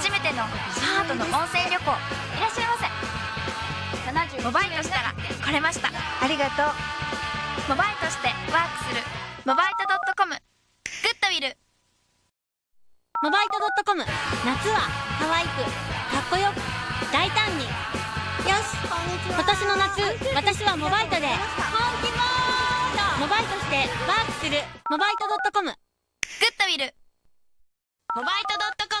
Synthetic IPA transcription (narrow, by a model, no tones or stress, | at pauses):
aʑime̞t̪e̞no̞ | maːt̪o̞noʔõ̞ɰ̃sẽ̞ːɾʲo̞ko̞ː | iɾaɕːaimasẽ | nanaʑmobait̪oɕi̥t̪aɾa̰ko̞ɾe̞maɕi̥t̪a̰aɾʲiɡat̪o̞ː | mo̞bait̪o̞ɕi̥t̪e̞βaːkɯ̟̥sɨɾɯ̟mo̞bait̪o̞d̪o̞t̪ːo̞ko̞mɯ̟ | ɡ̥ɯ̟t̪ːo̞biɾɯ̟ | mo̞bait̪od̪o̞t̪ːo̞ko̞mɯ̟nakɨβahaβaikɯ̟hakːo̞jokɯ̟d̪ait̪ãɲ̟ːi | joɕi̥ | kot̪aɕino̞nakɨβat̪aɕiβamo̞bait̪o̞d̪e̞hõnt̪ʲimo | mo̞bait̪o̞ɕi̥t̪e̞baːkɯ̟̥sɨɾɯ̟mo̞bait̪o̞d̪o̞t̪ːo̞ko̞mɯ̟ | ɡ̥ɯ̟t̪ːobʲiɾɯ | mobait̪od̪ot̪ːok